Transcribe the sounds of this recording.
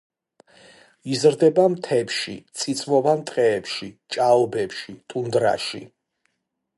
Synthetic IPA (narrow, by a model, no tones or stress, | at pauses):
izɾd̪ɛbamt̪ʰɛpʃḭt̪sʼʰit̪sʼmɔvant̪ʼqʼɛːpʃit͡ʃʼaɔbɛpʃit̪ʼund̪ɾa̰ʃi